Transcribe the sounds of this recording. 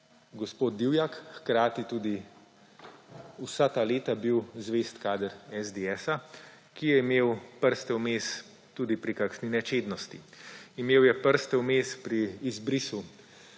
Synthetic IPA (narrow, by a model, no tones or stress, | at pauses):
ɡɔspoːd̪̚d̪iwjakxkɾaːt̪it̪uːd̪i | usat̪aːleːt̪abiwzʋeːst̪kaːd̪əɾɛzd̪eɛːsa | kijɛimeːwpəɾst̪ɛwmeːs | t̪uːd̪ipɾikakʃninɛt͡ʃeːd̪nɔst̪iimeːwjɛpəɾst̪ɛwmeːspɾiːzbɾisu